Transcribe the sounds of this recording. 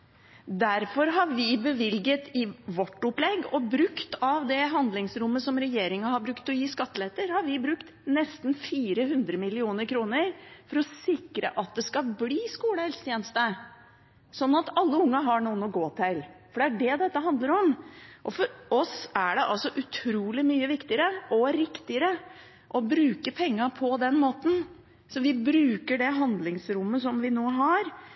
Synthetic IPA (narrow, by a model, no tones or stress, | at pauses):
d̪æɾfɔɾɦɑɾʋɪbəʋɪlɡət̪ɪʋɔʈːʊplɛɡːɔbɾʉkt̪ɑʋd̪ɛɦɑnd̪lɪŋsɾʊmːəsɔmɾɛjeːɾɪŋɑhɑɾbɾʉkt̪ɔjiːskɑt̪ːəlet̪əɾhɑɾʋɪbɾʉkt̪nɛst̪n̩fiːɾəɦʉnd̪ɾəmɪlɪuːnəɾkʰɾuːnəɾfɔɾɔsɪkɾə̰ʔɑt̪̚d̪ɛskɑlbliːskuːləhɛlsə̥t̪ʰjɛːnəst̪ə | sɔnːɑt̪ɑlːəʊŋːɑɦɑɳuːənɔɡoːt̪ʰɛɪlfɔɖɛæɖɛd̪ɛt̪ːəɦɑnd̪ləɾɔmʔɔfɔɾɔsæɖɛʔɑlsɔʔʉt̪ʰɾuːlɪmyːəʋɪkt̪ɪəɾəʔɔɾɪkt̪ɪəɾə | ʔɔbɾʉːkəpʰɛŋːɑpʰɔd̪ɛnmoːt̪n̩ | sɔʋɪbɾʉːkəɖɛɦɑnd̪lɪŋsɾʊmːəsɔmʋɪnoːɦɑɾ